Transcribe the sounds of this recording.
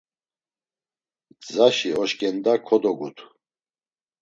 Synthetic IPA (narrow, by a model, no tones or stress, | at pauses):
zaʃiɔʃkʼɛnd̪akʰɔd̪ɔɡut̪ʰu